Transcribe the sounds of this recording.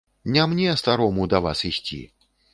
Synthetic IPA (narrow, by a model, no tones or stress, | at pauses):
nʲamnʲɛɐst̪aɾɔmud̪ɐva̰sisʲt͡sʲḭ